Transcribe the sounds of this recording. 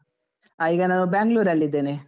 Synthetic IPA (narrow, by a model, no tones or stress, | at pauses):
aiːɡɐnaːnubaːŋɡluːɾɐlːid̪ːeːne